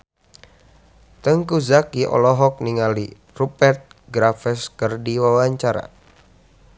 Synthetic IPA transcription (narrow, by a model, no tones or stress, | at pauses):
t̪əŋkuzakiʔɔ̰lɔɦɔk̚niŋali | rupɛrt̪̚ɡɾafɛskərdiwawaɲt͡ʃaɾa̰